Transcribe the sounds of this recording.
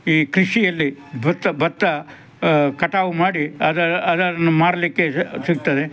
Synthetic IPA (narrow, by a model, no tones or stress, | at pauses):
iːkɾiʂijɐlːibɐt̪ːɐbɐt̪ːɐ | kɐʈaːʋumaːɽiɐd̪ɐɐd̪ɐd̪ɐnːumaːɽɐlikːesiɡ̚t̪ɐd̪e